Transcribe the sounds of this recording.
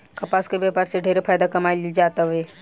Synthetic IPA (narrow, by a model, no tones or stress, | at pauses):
kɐpaːskebɛpaːɾseɖʱeːɾefʰaːjd̪akɐmaːjld͡ʒaːt̪aɦeː